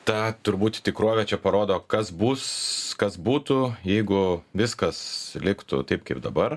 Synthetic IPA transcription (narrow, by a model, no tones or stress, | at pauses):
t̪ɐt̪ʊɾbuːt̪t̪ʲɪkɾuɔʋʲɛt͡ʃʲɛpɐɾoːd̪oːkɐsbuːskɐsbuːt̪ujɛɪɡʊʋʲɪskɐslʲɪkt̪ʊ̰t̪ɐɪp̚kɐɪpd̪ɐbɐr